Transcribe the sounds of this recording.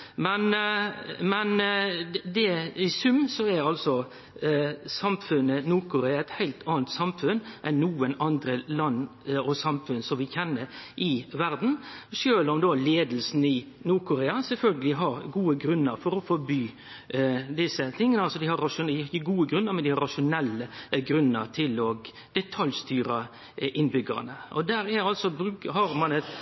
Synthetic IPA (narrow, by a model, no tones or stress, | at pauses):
mɛn | mɛn | d̪ɛɪsʉmsɔæɾɑlsɔ | sɑmfʉnːənuːɾkʰʊɾeːɑɛt̪hæɪlt̪ɑːnt̪sɑmfʉnʔɛnnuːənɑnd̪ɾəlɑnːɔsɑmfʉnsɔmʋɪçɛnːəʔɪʋæɾd̪n̩ʃøːləɔmd̪oleːd̪lsn̩ɪ | nuːɾkʰʊɾeːɑsɛlfœlɡəlɪɦɑɾɡuːəɡɾʉnːəɾfɔɾɔfɔɾbyː | d̪ɪsət̪ʰɪŋːənəɑlsɔd̪ɪhɑɾːɑʂʊɪɪçːəɡuːəɡɾʉnːəɾmɛnd̪ɪhɑɾɑʂʊnɛlːəɡɾʉnːəɾt̪ʰɪlɔɡ | d̪̥ɛt̪ʰɑljst̪yːɾɑ | ʔɪnbʏɡə̰nəʔɔd̪æːɾæɑlsɔbɾʉːkəɦɑɾmɑnɛt̪